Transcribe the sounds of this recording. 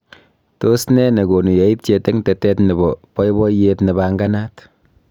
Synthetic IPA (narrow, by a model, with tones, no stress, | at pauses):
to˦snɛ˦ne˨ɡo˨nu˨je˨i˦p̚t͡ʃe˧tɛ˦ŋtɛ˨tɛ˦tnɛ˨bɔpɔ˦jbɔ˦jetnɛ˨baŋɡa˦na˦t